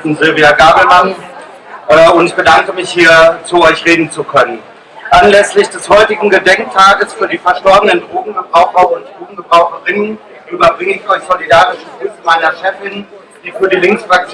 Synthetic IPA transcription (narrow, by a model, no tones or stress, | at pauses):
n̩zɪlviaɡaːbl̩ɦan | ʔɛːʊntɪçb̥ədaŋkəmɪçhiːɐt͡suɔʏçʁeːdn̩t͡sukʰœnən | ʔanlɛslɪçd̥ɛshɔʏtɪɡŋ̩ɡədɛŋk̚tʰaːɡəsfyːɐdiːfɛɐʃtɔɐbənəndʁoːɡŋ̩ɡəbʁaʊxɐʊnt̚d̥ʁoːɡŋ̩ɡəbʁaʊxəʁɪnən | ʔyːbɐbʁɪŋəɪçʔɔʏçz̥olidaːʁɪʃətʰɪfəmaɪnɐʃɛfɪn | d̥iːfyːɐdiːlɪŋksfʁak̚t͡s